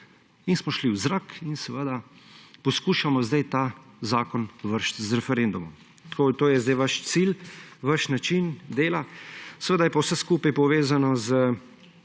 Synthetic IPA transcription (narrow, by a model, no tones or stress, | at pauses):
insmɔʃliwzɾakinsɛʋəd̪a | pɔskuːʃamɔzd̪ajt̪azaːkɔnʋəɾʃt̪zɾɛfɛɾend̪umɔm | t̪koːt̪oːjɛzd̪ajʋaʃt̪silʋaʃnat͡ʃind̪eːlasɛʋəd̪ajɛpɔwsɛskuːpajpɔʋeːzanɔzə